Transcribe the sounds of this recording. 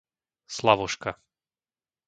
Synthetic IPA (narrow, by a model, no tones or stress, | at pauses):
slˠavɔʃka